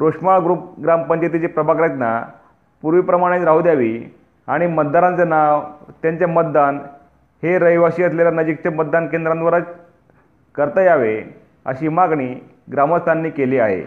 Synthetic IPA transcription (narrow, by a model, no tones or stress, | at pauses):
ɾoʂmaɭɡɾup̚ɡɾampənd̪jət̪it͡ɕepɾəbʱakɾet̪na̰ | puɾʋiːpɾəmaɽ̃et̪ɾaɦud̪jaʋḭː | aɽ̃imət̪̚d̪aɾãnt͡sanaʋt̪jaɲt͡ɕjamət̪̚d̪an | heɾəjʋaɕiːəsljeljanəd͡ʑik̚t͡ɕamət̪̚d̪ankend̪ɾãnd̪ʋaɾat͡s | kəɾt̪əjaʋe | ə̰ɕiːmaɡɳiː | ɡɾaməst̪ʰanːiːkeliːaɦḛ